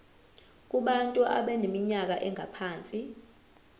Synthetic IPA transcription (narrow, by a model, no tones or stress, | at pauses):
k̬ʼuɓantʼuʔa̰ɓɛnemiɲak̬aʔɛŋʱa̰pʰaːnt͡sʼi